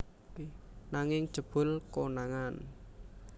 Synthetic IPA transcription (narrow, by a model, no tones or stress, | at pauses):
naŋɪŋ̥ʒ̥ə̤b̥ʊ̤lkonaŋan